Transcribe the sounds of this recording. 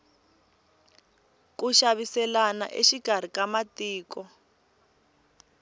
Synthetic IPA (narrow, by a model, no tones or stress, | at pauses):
kuʃaβisɛlana̰ʔḛʃiɡʱar̤ikamatiːkɔ